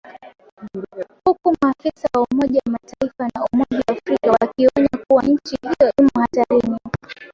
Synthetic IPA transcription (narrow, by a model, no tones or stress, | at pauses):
hukumuakisawaumɔʄawamataifanaumɔʄaːfɾikawakiɔɲakuwaɲ̩t͡ʃihijɔʔimuhataɾini